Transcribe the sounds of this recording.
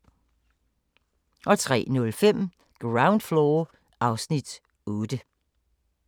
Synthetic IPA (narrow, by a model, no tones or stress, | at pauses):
ʔɒ̽t͡sʰʁɛ̰ːnɔ̽lfem̰ | ɡ̥ʁɑ̈ʊ̃nd̥floː | ɑ̈ʊsnid̥ | ɔːd̥ə